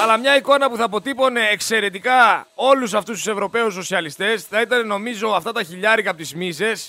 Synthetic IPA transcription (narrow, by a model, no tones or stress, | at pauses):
ɐlɐmɲɐiko̞nɐpuθɐːpo̞t̪ipo̞ne̞ːkse̞ɾe̞t̪ikɐo̞lus̬ɐft̪ust̪u̥se̞vɾo̞pe̞usːo̞siɐlist̪e̞sθɐit̪ɐneno̞mizo̞ɐft̪ɐt̪ɐçiʎɐɾikɐpot̪izmise̞s